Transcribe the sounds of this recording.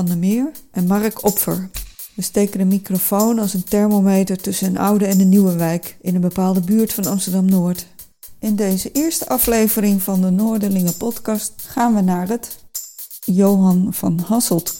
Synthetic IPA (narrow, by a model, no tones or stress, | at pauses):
ɑndəmɪːɹʔɛnmɑrəkʰɔpfə̰ɹ | ʋəstejkənənmikrofownɑlˠsəntɛɹmomejtəɹtɵsənənɑwdəɛnənːiwəʋɛjkɪnənbəpaːlˠdəbyːɹtfɑnɑmstəɹdɑmnʊːɹt | ɪndejzəʔɪːɹstəʔɑflejvərɪŋvɑndənoːɹdəlɪŋəpɔtkɑstχaːnʋənaːrət | jowɦɑnvɑ̰nɦɑsəlˠt